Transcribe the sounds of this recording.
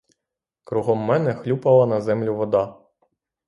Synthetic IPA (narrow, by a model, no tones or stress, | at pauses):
kɾuɦɔmːɛnɛxlʲupɐlˠɐnɐzɛmlʲʊʋɔd̪ɑ